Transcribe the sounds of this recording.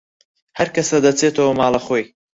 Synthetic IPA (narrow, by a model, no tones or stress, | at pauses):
hɐɾkɐsɐd̪ɐt͡seːt̪ʰɐwɐmɑːlɐχoːj